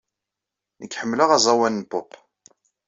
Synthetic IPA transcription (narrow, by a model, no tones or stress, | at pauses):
nəkːħəmːləʁæzˤɑwænnpopː